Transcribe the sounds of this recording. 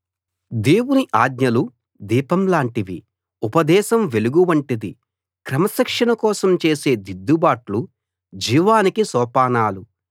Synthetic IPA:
d̪eːwuniʔaːd̪ɲɐlu | d̪iːpɐmlaːɳʈiʋḭ | upɐd̪ɛːʃɐmʋe̞luɡuʋɐɳʈid̪i | kɾɐmɐsɐkʂɐnɐkɔːsɐmt͡ʃe̞ːse̞ːd̪id̪ʱːubaːʈlu | d͡ʒiːʋaːnikisɔːpaːnaːlu

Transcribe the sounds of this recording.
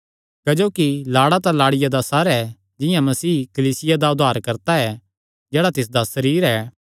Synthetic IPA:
kɐd͡ʒoːkilaːɽat̪ãlaːɽɪjad̪asaːɾɛ | d͡ʒɪjãmɐsiːkɐliːsɪjad̪aʊd̪ʱaːɾkɐɾt̪aɛ | d͡ʒɛːɽat̪ɪs̬d̪asɐɾiːɾɛː

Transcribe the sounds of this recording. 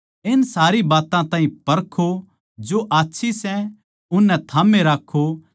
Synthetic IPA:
ɪnsaːɾibaːt̪ãt̪ãːɦĩpɐɾkʰo | d͡ʒoʔaːtːʃʰisɛ | ʊnːɛt̪ʰaːmẽɾaːkʰːo

